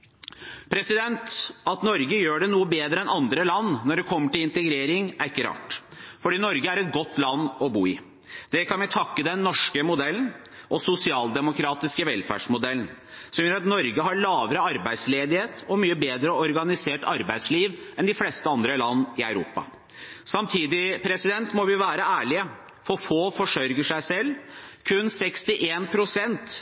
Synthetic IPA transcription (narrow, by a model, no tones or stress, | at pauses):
pʰɾɛsɪd̪ɛnt̪ɑt̪nɔɾɡəjøːɖɛnuːəbeːd̪ɾəɛnɑnd̪ɾəlɑnːnːɔɖɛkʰɔmːəʈɪlɪnt̪əɡɾeːɾɪŋæɾɪkːəɾɑ̰ːʈfɔɖiːnɔɾɡəæɾɛt̪̚ɡɔt̪ːlɑnːɔbuːɪ | d̪̥ɛkʰɑnʋɛt̪ʰɑkːəd̪ɛnːɔʂkəmʊd̪ɛlːən̩ | ʔɔsʊsɪɑːld̪ɛmʊkʰɾɑːt̪ɪskəʋɛlfæ̰ʂmʊd̪ɛlən̩ | sɔmjøɾɑt̪nɔɾɡəɦɑɭɑːʋəɾəɑɾbæɪsleːd̪ɪheːt̪ɔmyːəbeːd̪ɾəɔɾɡɑnɪseːʈɑ̰ɾbæɪd̪sliːʋɛnd̪ɪflɛst̪əɑnd̪ɾəlɑnːɪœʉɾṵːpɑ̰ | sɑmt̪ʰiːd̪ɪpʰɾɛsɪd̪ɛnt̪mɔʋɪʋæːɾəæːɭɪə | fɔfoːfɔʂœɾɡəʂæɪsɛlːkʰʉnsɛkst̪ɪʔeːnpʰɾʊsɛnt̪